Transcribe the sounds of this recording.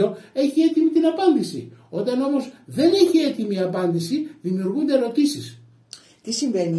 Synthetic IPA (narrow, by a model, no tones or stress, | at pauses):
o̞e̞çie̞t̪imit̪inɐpɐnd̪isḭo̞t̪ɐno̞mo̞zðe̞ne̞çie̞t̪imiɐpɐnd̪isiðimiuɾɣund̪e̞eɾo̞t̪isis | t̪isiɱveni